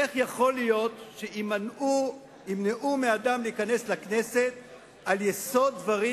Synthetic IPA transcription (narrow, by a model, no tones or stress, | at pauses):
eχjaχo̞lijo̞t̪ʃeʔimanu | imneʔumead̪amliikane̞slakne̞se̞t̪̚ | aljeso̞d̪̚ːvaʁi